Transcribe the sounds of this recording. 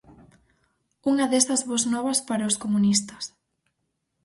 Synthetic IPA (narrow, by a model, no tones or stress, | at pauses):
uŋɐðesɐzβoznɔβɐspaɾɐoskomunist̪ɐ̥s